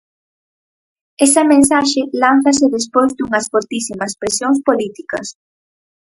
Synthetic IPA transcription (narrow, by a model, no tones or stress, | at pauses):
ɛsɐmẽnsaʃelan̟θɐs̬eðespojzd̪uŋɐsfoɾt̪isimɐspɾesjoŋs̬polit̪ikɐs